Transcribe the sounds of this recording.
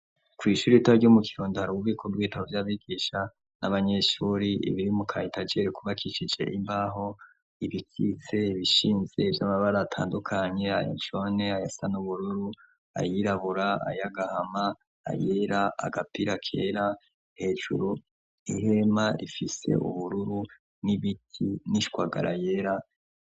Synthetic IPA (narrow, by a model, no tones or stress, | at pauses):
kwiːʃuːɾiitaɾɟomukʰiɾoːndohaɾuβuβikʰoɡwiːtaβovjaβiɡiːʃa | nʔaβaɲe̞ʃuːɾiʔḭβiɾimukʰa̰itad͡ʒeɾikuβakʰit͡ʃid͡ʒe̞̰ʔimbaɦo̞ | iβikit͡se̞βiʃiːnze̞ivjamaβaɾaatʰa̰ːndukʰaɲe̞ajo̰nt͡ʃo̞ne̞ajasanuβuɾuɾu | a̰jiɾaβuɾaa̰jaɡahama̰ː | jeɾaʔa̰ɡapiɾakʰḛːɾa | he̞ːʒṵɾu | ihe̞maɾifise̞̰ʔṵβuɾuɾu | niβitʰiniʃkwaɡa̰ɾa̰jeɾa